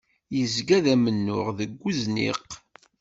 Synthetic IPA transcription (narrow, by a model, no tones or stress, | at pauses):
jəzɡæðæmənːʊ̰ʁðəɡʷːuznḭq